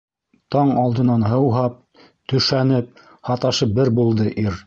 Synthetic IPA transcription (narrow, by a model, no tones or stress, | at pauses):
t̪ɑɴɑlˠd̪ɤ̆nɑnɦɤ̆wɦɑp̚ | t̪ɵ̆ʃænɘp̚ | hɑt̪ɑʃɤpbɘɾbulˠd̪ɤʔiɾ